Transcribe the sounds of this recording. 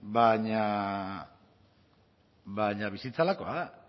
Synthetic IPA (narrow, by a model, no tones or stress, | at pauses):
baɲa | βajɲaβisit͡salako̞a